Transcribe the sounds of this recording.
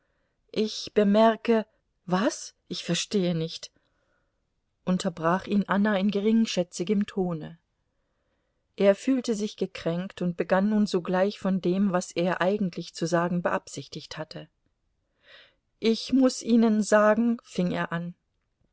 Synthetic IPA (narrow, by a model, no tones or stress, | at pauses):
ʔɪçb̥əmɛɐkə | vasʔɪçfɛɐʃteːənɪçt | ʔʊntʰɐbʁaːχʔiːnʔanaɪnɡəʁɪŋʃɛt͡sɪɡəmtʰoːnə | ʔeːɐfyːltəzɪçɡ̥əkʁ̥ɛŋktʊnt̚b̥əɡanːuːnzoːɡlaɪçfɔndeːmvaseːɐʔaɪɡŋ̩tʰlɪçt͡suzaːɡŋ̩bəʔapz̥ɪçtɪçthatʰə | ʔɪçmʊsʔiːnənzaːɡŋ̩fɪŋeːɐʔan